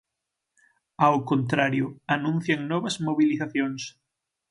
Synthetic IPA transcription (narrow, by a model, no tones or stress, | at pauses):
awkont̪ɾaɾjʊanũn̟θjaŋnɔβɐzmoβiliθaθjoŋs